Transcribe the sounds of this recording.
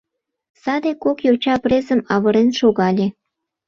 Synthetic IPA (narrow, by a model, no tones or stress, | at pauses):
sɑd̪ekokjot͡ɕɑprezə̆mɑβəɾenʃoɣɑlʲe